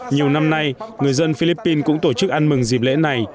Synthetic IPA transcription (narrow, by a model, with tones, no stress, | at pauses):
ɲi˨˩əwna˧mna˧jŋɨ˨˩əjzə˧nfi˧li˦˥pːi˧nkʊ̰˧˥ŋ͡mt̪o˧˩t͡ɕɨ˦˥k̚ʔa˧nmɨ˨˩ŋzi˨˩p̚lḛ˧˥na˨˩j